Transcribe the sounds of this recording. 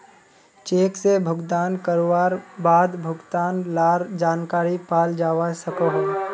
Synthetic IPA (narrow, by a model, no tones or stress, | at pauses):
t͡ʃeːksebʱʊɡd̪aːnkəɾoʋaːɾbaːd̪bʱʊɡt̪aːnlaːɾd͡ʒaːnkaːɾipaːld͡ʒaːʋasəkoɦɛː